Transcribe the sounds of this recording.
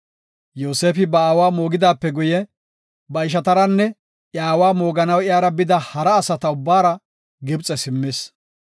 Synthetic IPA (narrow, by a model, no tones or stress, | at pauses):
jo̞ːseːfɪbɐaːwaːmo̞ːɡɪd̪aːpːɛɡʊjɛ | bɐɪʃ̬ɐt̪ɐɾɐnːɛ | ʔjaːwaːmo̞ːɡɐnɐwɪjaːɾɐbɪd̪ɐhɐɾɐːsɐt̪ɐʊbːaːɾɐ | ɡɪbt͡sʼɛsɪmːeːs